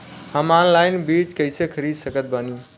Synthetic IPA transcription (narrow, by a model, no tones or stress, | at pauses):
həmanlajnbit͡ʃkəɪsekʰəɾid̪səkət̪̚bəni